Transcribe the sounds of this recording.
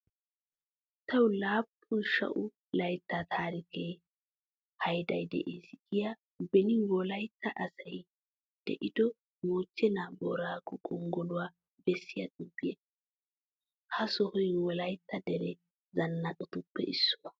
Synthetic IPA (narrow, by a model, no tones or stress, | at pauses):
t̪ʰɐwlaːpʰːʊnʃɐ̰ʔʊ | lɐjt̪ːat̪ʰaːɾɪkeː | hɐjd̪ɐjd̪ɛ̰ʔeːsɪʔɪja | bɛnɪwɔlɐjt̪ːɐʔɐsɐj | d̪̥ɛ̰ʔɪd̪ɔ | moːt͡ʃːɛnaːbɔ̰ːɾaːkɔkʼɔŋɡɔlʊwaː | bɛsːɪjɐtʼʊbːɪje | hɐsɔhɔjwɔlɐjt̪ːɐd̪ɛɾɛ | zɐnːɐɗɔt̪ʊpːɛ̰ʔɪsːʊwɐ